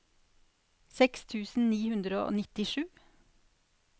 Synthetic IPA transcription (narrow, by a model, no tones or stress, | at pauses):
sɛkst̪ʰʉːsn̩niːhʉnd̪ɾəo̰ːnɪt̪ɪʃʉː